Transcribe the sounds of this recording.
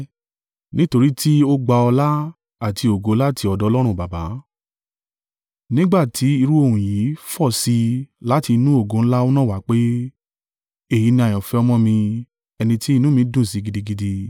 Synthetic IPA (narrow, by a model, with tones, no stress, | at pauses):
nĩ˦to˧ɾi˦ti˦o˦ɡ͡ba˧ɔ˧la˦ | a˦˨tʰi˧o˨ɡo˨˦la˦tʰi˧ɔ˧dɔ˨˦lɔ˦ɾ̃ũ˦˨ba˨ba˨˦ | nĩ˦ɡ͡ba˦˨tʰi˨˦i˧ɾu˦o˦˨ũ˨ji˨˦fɔ˦˨si˧la˦ti˧nũ˦o˦˨ɡõ˨˦n̩˦la˦o˦nã˦˨wa˨˦k͡pe˦ | e˦˨ji˨˦nĩ˧a˨j̃ɔ̃˨fɛ˦ɔ˧mɔ̃˧mĩ˧ | ɛ˧nĩ˧ti˦i˦˧nũ˦mĩ˧˦dũ˦˨si˨˧˦ɡi˧di˧ɡi˧di˧